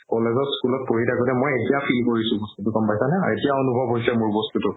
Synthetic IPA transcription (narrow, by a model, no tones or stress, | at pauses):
kɔlezɔtskulɔt̚poɹitaɡɔtɛmojetijapʰilkoɹisʊ̃bɔstutukɔmpajsanɛaetijaonubʱɔbɦojsɛmʊɹbɔstutʊ